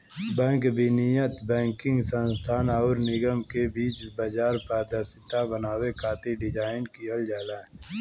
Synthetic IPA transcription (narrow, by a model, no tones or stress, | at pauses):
bɛ̃ːŋkbʱinijət̪bɛ̃ːŋkɪ̃ŋɡsə̃nst̪ʰaːnaːɾnɪɡəmkebiːt͡ʃbaːd͡ʒaːɾpɛːd̪asɪt̪ːabənaːwekʰaːt̪iɖɪd͡ʒaːɪnkiəld͡ʒaːlãː